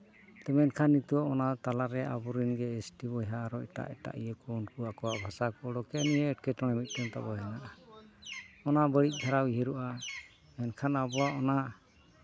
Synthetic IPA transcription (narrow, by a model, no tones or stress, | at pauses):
t̪ɛmɛnkʰanːit̪uɔʔɔnat̪alaɾɛʔa̰buɾinɡɛɛsʈibɔjɦaːɾɔɛʈa̰ʔɛʈa̰ʔijəkɔunkuakɔwaʔbʱasakɔɽɔkɛnijɛːʈ̚kɛʈɔɽ̃ɛmit̪̚ˀtɔnt̪a̰bɔɦɛnaʔa | ɔnabəɽit̪̚ˀɡʱaɾawiɦeɾuʔa | mɛnkʰanabɔaʔɔna